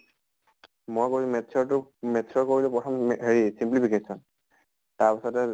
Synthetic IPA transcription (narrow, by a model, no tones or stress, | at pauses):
mojkoɹimɛtsʰɔɹtʊmɛtsʰɔɹkoɹilupɹɔtʰɔmɦeɹisimplipʰikesɔn | taɹpisɔtɛ